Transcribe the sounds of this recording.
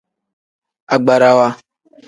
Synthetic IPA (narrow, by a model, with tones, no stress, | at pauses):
a˨ɡ͡ba˨ɾa˨wa˦